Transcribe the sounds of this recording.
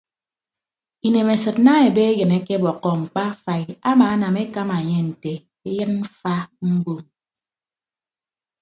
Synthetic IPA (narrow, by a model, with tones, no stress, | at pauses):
i˨ne˨me˨sɨ˨tna˦e˨be˦e˦jɨ˨ne˦ke˦bɔ˨kːɔ˨ŋ͡m̩˨k͡pa˦fa˨i˨a˦maː˨a˦na˨me˦ka˦ma˨ɲe˦n̩˨te˨ | e˦jɨ˦n̩˦fa˦ŋ͡m̩˦ɡ͡bo˦m